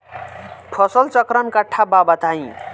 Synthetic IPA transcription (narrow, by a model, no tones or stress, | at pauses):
pʰʌsəlt͡sʌkɾənkaʈʰːababʌt̪aĩ